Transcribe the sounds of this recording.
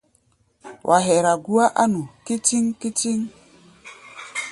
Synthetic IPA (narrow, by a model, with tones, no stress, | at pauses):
wʔa˨ɦɛ˨ɾa˨ɡu˦a˦ʔa˦nu˨ki˦ti˦ŋki˦ti˦ŋ